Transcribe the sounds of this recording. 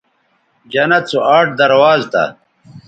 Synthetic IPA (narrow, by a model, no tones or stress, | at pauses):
d͡ʑɐnɐt̪t͡suʔaːʈ̚d̪ɐɾwaːzt̪ɐ̰